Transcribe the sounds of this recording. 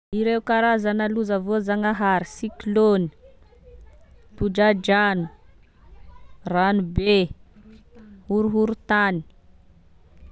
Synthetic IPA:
iɾeukaɾazanəluzəvozaŋaɦaɾisikloni̥ | t̪uɖ͡ʐad͡ʒanu | ranube | huɾuɦuɾut̪ani̥

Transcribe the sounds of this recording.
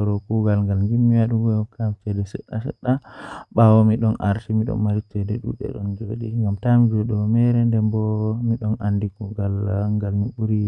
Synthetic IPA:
ɔɾɔkuɡalŋɡalŋɡimːiwaɗuŋɡɔjɔkatɛdɛsɛ̰ɗasɛ̰ɗːaɓawɔmiɗɔna̰ɾtimiɗɔ̰nmaɾitɛdɛɗṵɗɛ̰ɗɔ̰nd͡ʒoɗiŋɡamtamid͡ʒɔɗɔmɛɾɛndɛmbɔmiɗɔnandikuɡalŋɡalmiɓuɾi

